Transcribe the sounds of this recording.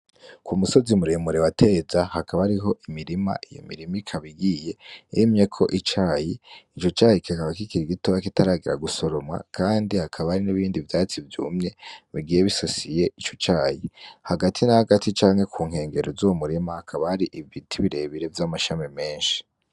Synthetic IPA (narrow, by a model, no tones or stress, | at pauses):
kumuso̞zimuɾemuɾewate̞zahakaβahaɾiɦo̞ʔimiɾima̰ʔijo̰mḭɾimikʰaβiɡije̞emɲe̞kʰo̞ʔit͡ʃaːjiit͡ʃo̞t͡ʃaːjikʰakaβakikiɾiɡitoβakitaɾaːɡiɾa̰ɡuso̞ɾo̞mŋa̰kʰaːndihakʰaβahaɾiniβiːndivjaːt͡sivjṵːmɲe̞βiɡijeβisosije̞ʔit͡ʃot͡ʃaːjihaɡatʰinahaɡatʰit͡ʃaːŋ̥he̞kʰuːŋ̥he̞ːŋɡe̞ɾozuwomuɾimahakʰaβahaɾiʔivitʰiβiɾe̞βiɾe̞vjamaʃamime̞ːnʃi̥